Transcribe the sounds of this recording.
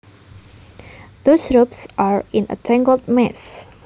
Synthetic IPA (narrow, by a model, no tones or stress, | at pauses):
ðosɹopsʔaɹɪ̃nə̰tʰɛ̃ŋɡəld̚mɛs